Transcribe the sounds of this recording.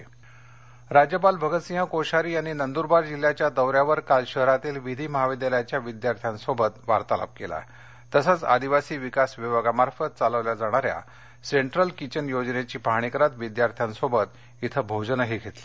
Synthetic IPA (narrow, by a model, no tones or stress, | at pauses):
ɾad͡ʑjəpalbʱəɡət̪sĩɦə̃koɕaɾiːaɽ̃inənd̪uɾbaɾd͡ʑil̤ːjat͡ɕjad̪əʋɾjaʋəɾkalɕəɦəɾat̪iːlʋid̪ʱiːməɦaʋid̪jaljat͡ɕjaʋid̪jaɾt̪ʰjãnsobət̪ʋaɾt̪ala̰p̚kela̰ | t̪əsət͡sa̰d̪iʋasiːʋikasʋiʋaɡamaɾfət̪̚t͡saləʋljad͡zaɽ̃aɾja̰ | seɳʈɾəlkit͡ɕənjod͡ʑnet͡ɕiːpaɦɽ̃ikɾat̪ʋid̪jaɾt̪ʰjansobət̪ | it̪ʰəbʱod͡ʑnəɦiɡʱet̪le